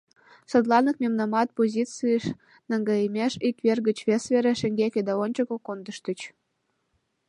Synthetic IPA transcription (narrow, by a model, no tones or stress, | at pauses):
sɤd̪lˠɑnək̚mʲemnɑmɑt̪̚pozʲit͡sɨeʃ | nəŋɡɑəmʲeʃikβerɣə̆t͡ɕβesβʲeɾeʃĕŋɡekʲed̪æont͡ɕəkokond̪ə̆ʃt̪ə̆t͡ɕ